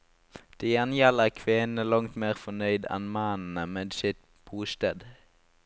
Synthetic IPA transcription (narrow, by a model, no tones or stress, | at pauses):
d̪̥iːjɛnjɛləʁkʰʋeːnn̩əlɑŋt̪meːʁfɔnœʏd̪ɛ̰nmɑnn̩əmɛːd̪sɪt̪ | b̥uːst̪eːd̪